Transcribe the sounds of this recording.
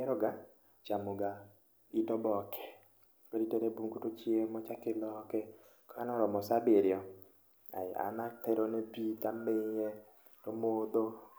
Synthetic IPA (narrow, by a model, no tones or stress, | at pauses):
ɛɾɔɡa | t͡ʃamʊɡa | itɔbɔkʰɛ̥ | kɔɾitɛɾebuŋkutot͡ʃemɔt͡ʃakɪlɔkɛ | kɔanɔɾɔmɔsabeɾɪjɔ | a̰a̰natɛɾonɛbitameɲɛ | tomod̪o